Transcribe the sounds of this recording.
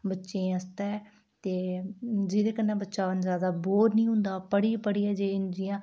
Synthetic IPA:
bətːʃẽːəst̪eː | t̪eːd͡ʒɪd̪eːkənːɛ̃ːbətːʃaːʋənzaːd̪aːboːɾnĩːɦʊ̃nd̪aːpəɽiːpəɽiːɛːd͡ʒeːɪnd͡ʒijãː

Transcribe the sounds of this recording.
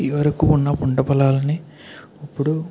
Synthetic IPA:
iʋɐɾɐkuːunːɐpuɳɖɐpɐlaːlɐni | ɐpːuɽu

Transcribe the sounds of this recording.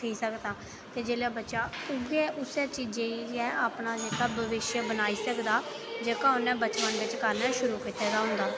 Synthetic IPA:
iːsəkd̪ãː | t̪eːd͡ʒeːlaːbətːʃaːʊɡeːʔʊsɛːt͡ʃiːd͡ʒeːɛːaːpnaːd͡ʒeːkaːbəʋɪʃjəbənaːiːsəkd̪aː | d͡ʒeːkaːʊnɛ̃ːbət͡ʃpənʋɪt͡ʃkəɾnaːʃʊɾuːkiːt̪eːd̪aːɦʊ̃nd̪aː

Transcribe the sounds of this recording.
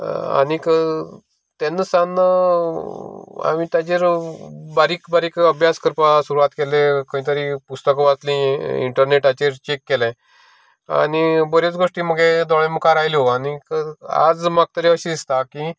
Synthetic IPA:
a̰nikə | t̪enːəsanə | a̰mit̪ad͡ʑeɾbaɾikbaɾiːkəbʱjaskəɾpasuɾuat̪kelekəĩt̪̬əɾipust̪əkʋat͡slĩḭɳʈəɾneʈat͡ɕeɾt͡ɕekːelẽ | a̰nibəɾjet͡sɡoʂʈiːməɡed̪ɔɭeməkaɾajliɦoanikəa̰d͡zmaɡ̚t̪əɾiəɕid̪ist̪aki

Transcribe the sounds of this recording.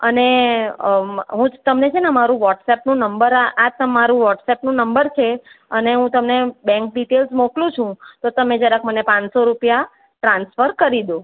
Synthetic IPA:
əne | ɦũt̪əmnet͡ʃʰenamaɾũʋɔʈsɛpnũnəmbəɾaʔat̪əmaɾũʋɔʈsɛpnũnəmbəɾt͡ʃʰeəneɦũt̪əmnebɛ̃ŋk̚ɖiʈelsmoklũt͡ʃʰũt̪ot̪əmed͡ʒəɾãkʰmənepãɲsoɾupja | ʈɾãnsfəɾkəɾid̪ũ

